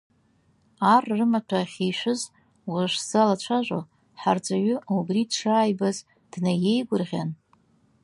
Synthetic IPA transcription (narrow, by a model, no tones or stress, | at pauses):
arrɨmatʰaχʲejʃʷʊz | waʃz̥alat͡ʃʷʰaʒʷʼo̰ | ħard͡zʼaɥʏubridʂaːjbaz | d̥naje̞jɡʷʊrʁʲan